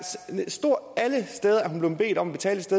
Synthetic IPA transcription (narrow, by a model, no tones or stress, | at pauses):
ssd̥o̝ɐ̰æləsd̥eːð̞ˠɐæɦunb̥leʊb̥e̝̰ːd̥ɒ̽mæb̥e̝̥t͡sʰɛ̰ːləsd̥eð